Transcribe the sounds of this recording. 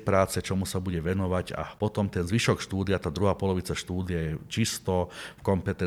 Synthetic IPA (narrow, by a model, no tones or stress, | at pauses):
pɾaːt͡sɛt͡ʃɔmusabuɟɛʋɛnɔʋaɟa̰pɔt̪ɔmt̪ɛnzʋiʃɔkʃt̪uːd̪ɪat̪aːd̪ɾuɦaːpɔlɔʋit͡saʃt̪uːd̪ɪjajɛt͡ʃist̪ɔfkɔmpɛt̪ɛ